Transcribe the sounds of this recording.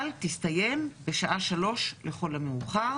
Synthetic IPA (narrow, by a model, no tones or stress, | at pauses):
ltistajembe̞ʃaʔaʃalo̞ʃle̞χo̞lameuχaʁ